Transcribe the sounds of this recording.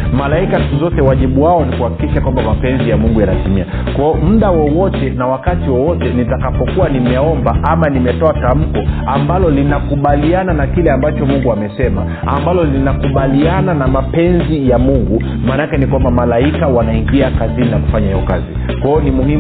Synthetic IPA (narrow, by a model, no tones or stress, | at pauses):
malaikastuzɔtɛwaʄiɓuwaɔnikuhaki̥kiʃakwambamapɛnzijamuŋɡujanatimia | kwaɔm̩ɗawɔwɔtɛnawakatiwɔwɔtɛnitakapɔkuwanimɛɔmbaʔamanimɛtɔatam̩kɔ | ambalɔlinakuɓaliananakilɛambat͡ʃɔmuŋɡuamɛsɛma | ambalɔlinakuɓaliananamapɛnzijamuŋɡu | manaakɛnikwambamalaikawanaiŋɡiakazininaku̥faɲahijɔka̰zi | kaɔnimuhi